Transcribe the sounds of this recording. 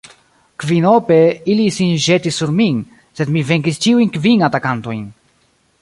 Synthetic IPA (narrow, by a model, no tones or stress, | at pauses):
kvinopeilisinʒet̪isːuɾmin | sed̪miveŋkist͡ʃiujnkvinatakant̪ojn